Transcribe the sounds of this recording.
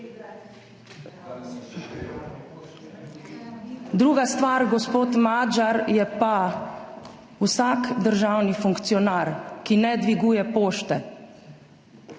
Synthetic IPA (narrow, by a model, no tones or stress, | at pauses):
d̪ɾuːɡast̪ʋaɾɡɔspoːt̪mad͡ʒaɾjɛpa | usakd̪əɾʒaːwnifuŋkt̪sijɔnaːɾkinɛd̪ʋiɡuːjɛpoːʃt̪ɛ